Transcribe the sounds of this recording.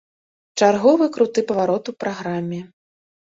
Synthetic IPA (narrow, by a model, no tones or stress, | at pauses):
t͡ʂarɣɔvɨkɾut̪ɨpɐvaɾɔt̪upɾaɣɾamʲːɛ